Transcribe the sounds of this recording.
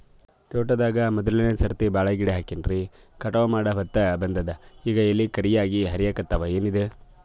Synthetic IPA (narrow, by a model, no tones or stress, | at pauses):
t̪oːʈɐd̪aːɡɐmɐd̪ɐlɐnesɐɾt̪ibaːɭɐɡiɽeɦaːkinɾi | kɐʈɐʋɐmaːɽɐbɐt̪ːɐbɐnd̪ɐd̪ɐiːɡɐelːikɐɾijaːɡiɦɐɾijɐkɐt̪ːɐʋɐeːnid̪e